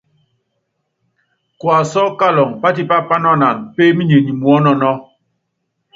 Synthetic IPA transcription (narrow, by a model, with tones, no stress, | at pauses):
kwa˨sɔ˦ka˦lɔ˨ŋpa˦ti˦pa˦pa˦nɔ˦˨na˨ŋpe˦mi˦ɲe˨ɲi˨mu˨ɔ˦nɔ˨nɔ˦